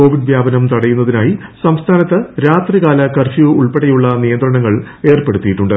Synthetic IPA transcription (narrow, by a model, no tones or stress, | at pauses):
o̞ːʋiɖʋjaːbɐnɐmt̪ɐɽɐjunːɐðinaːjisɐmst̪ʰaːnɐt̪ːɨɾaːt̪riɣaːlɐkɐrɕiʋɨuɭpeɽɐjuɭːɐnijɐnd̪rɐɳɐŋːɐɭ | e̞ːrpe̞ɽut̪ːijiʈːuɳɖɨ